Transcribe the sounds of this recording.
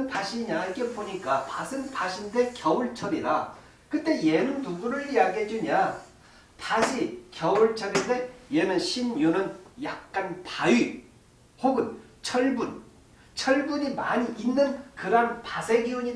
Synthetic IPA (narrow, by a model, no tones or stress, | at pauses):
ntaɕʰiɲaik͈epoɲik͈apasʰɯnpʰaɕʰinde̞kjʌuɭt͡ɕʰʌɾiɾa | kɯtt͈e̞jenɯntuɡuɾɯɭjaɡed͡ʑiɲa | taɕʰikjʌuɭt͡ɕʰʌɡinde̞je̞nɯnɕʰinjunɯnjak̚k͈anpaji | hoɡɯn | t͡ɕʰʌɭbun | t͡ɕʰʌɭbuɲimaɲiʔinːɯnkɯɾanpasʰe̞ɡiuɲi